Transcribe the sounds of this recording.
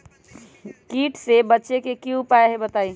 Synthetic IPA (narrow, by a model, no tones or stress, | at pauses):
kiʈsebətːʃekekiupaeɦebət̪aj